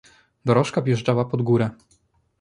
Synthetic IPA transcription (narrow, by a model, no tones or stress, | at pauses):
d̪ɔɾɔʂkavjɛʐd͡ʐawapɔd̪ɡuɾɛ